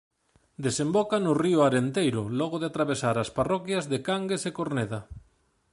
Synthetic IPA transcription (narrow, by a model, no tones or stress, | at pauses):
d̪esembɔkanʊriʊaɾent̪ejɾʊlɔɣʊðeat̪ɾaβ̞esaɾasparɔkjɐzðekaŋɡesekoɾneðɐ